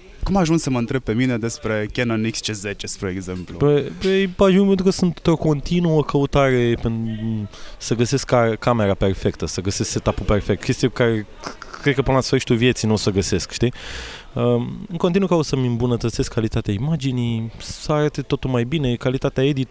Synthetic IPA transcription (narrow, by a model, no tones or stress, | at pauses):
kumaʒunsəməɨnt̪ɾeb̚pe̞mined̪e̞spɾe̞kʲenonikst͡ʃezet͡ʃespɾueɡzemplupeejpaʒuŋpent̪ɾukəsunt̪t̪ɾo̞ko̞nt̪inuəkʰəut̪aɾe̞pen | səɡəse̞skːakʰːame̞ɾape̞rfe̞kt̪əsəɡəse̞skse̞t̪apuperfe̞k̚t̪̚kʲe̞st̪ijekaɾe | kɾed̪kəpɨnlasfəɾiʃit̪uvje̞t̪sinosəɡəse̞skʃt̪i | əɨŋkot̪inukaosəmɨmbunət̪ət̪se̞skʰːalit̪at̪eaimad͡ʒinijsəaɾat̪et̪o̞t̪ulmajbine̞kalit̪at̪eaed̪it̪